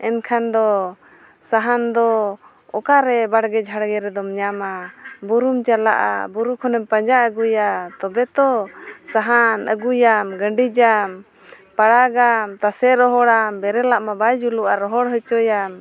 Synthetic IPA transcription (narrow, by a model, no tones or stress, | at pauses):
ɛnkʰand̪ɔ | saɦand̪ɔ | ɔkaɾɛbaɽɡɛd͡ʒʱaɽɡɛɾɛd̪ɔmɲamabuɾumt͡ʃala̰ʔa̰buɾukʰɔnɛmpaɲd͡ʒaəɡujat̪ɔbɛt̪ɔsaɦanʔə̰ɡujamɡəɳɖid͡ʒam | paɽaɡamt̪asɛɾɔɦɔɽambɛɾɛlaʔmabajd͡ʒuluaɾɔɦɔɽɦət͡ʃɔjam